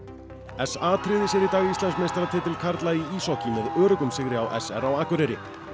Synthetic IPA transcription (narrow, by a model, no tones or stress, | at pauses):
ɛsaːt̪ʰɾɪðɪsjɛɾit̪aɣist̪ɛnsmenst̪ɾat̪ʰɪːt̪ɪlkʰaɾt̪laiiːsɔwhcɪmɛðœːɾʏkʏmsɪɣɾɪawʔɛsɛ̰ɾawaːkʏɾɛɾɪ